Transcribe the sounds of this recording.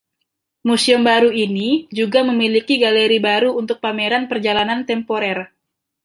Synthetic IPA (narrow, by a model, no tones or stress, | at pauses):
musiʊmbaɾuinid͡ʒuɡaməmilikiɡaleɾibaɾuunt̪ʊk̚pameɾanpərd͡ʒalanant̪ɛmpoɾɛr